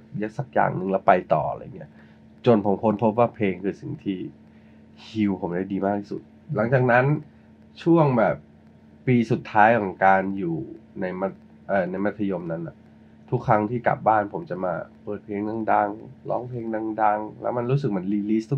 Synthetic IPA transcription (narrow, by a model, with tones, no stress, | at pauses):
ja˦˥k̚sa˨˩k̚ja̰ː˨˩ŋnɯ˨˩ŋlɛ˦˥wpa˧jt̪ɔ̰ː˨˩˧a̰˧ja̰˨ŋːi˦˥ɐ | t͡ɕo˧npʰo˩˦mpʰo˧˦˥npʰo˦˥p̬̚waː˥˩pʰeː˧ŋkʰɯː˧si˨˩ŋt̪ʰiː˥˩ | hi˧wpʰo˩˦mda˥˩jdiː˧maː˥˩k̚t̪ʰi̥ː˥sṵ˨˩t̪̚la˨˩˦ŋt͡ɕaː˨˩k̚na˦˥n | t͡ɕʰu˥˩əŋbɛː˨˩p̚ː | iː˧su˨˩t̪ʰːaː˦˥jkʰɔː˨˩˦ŋkaː˧njuː˨˩na˧jma˦˥t̪̚ | ʔaː˨˩na˧jma˦˥t̪ʰːa˧jo˧mna˦˥nʔa̰˨˩ʔ | t̪ʰu˦˥kʰːɾa˦˥ŋt̪ʰiː˥˩ka̰˨˩p̚baː˥˩npʰo˩˦mt͡ɕa˨˩maː˧pɤː˨˩t̪̚pʰeː˧ŋda˧ŋda˧ŋlɔ̰ː˦˥ŋpʰleː˧ŋda˧ŋda˧ŋlɛ̰˦˥wma˧nɾuː˦˥s̬ɯ˨˩k̚ma˧˥nliː˧li˦˥t̪ʰu˦˥